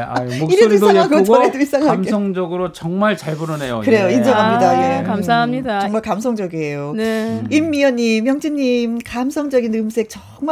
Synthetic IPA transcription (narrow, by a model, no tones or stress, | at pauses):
iɾedoidaaɡoɡt͡ɕʌɾedois͈ʰaŋɦamesʰʌŋd͡ʑʌɡɯɾot͡ɕʌŋmaɭt͡ɕaɭbuɾʌnejo̰kɯɾe̞joind͡ʑʌɦamɲidajeamsʰaɦamɲidat͡ɕŋmaɭkamsʰʌŋd͡ʑʌɡiejoneimːiʌɲːimjʌŋt͡ɕʰiɲimkamsʰʌŋd͡ʑʌɡinɯmsʰe̞k̚t͡ɕʌ | ŋm